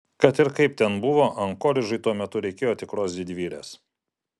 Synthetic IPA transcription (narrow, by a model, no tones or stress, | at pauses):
kɐt̪ɪɾkɐɪp̚t̪ʲɛnbʊʋoːʔɐŋkoːlʲɪʒɐɪt̪uɔmʲɛt̪ʊɾʲɛɪkʲeːjoːt̪ʲɪkɾoːsd̪ʲɪd̪ʲʋʲiːlʲḛːs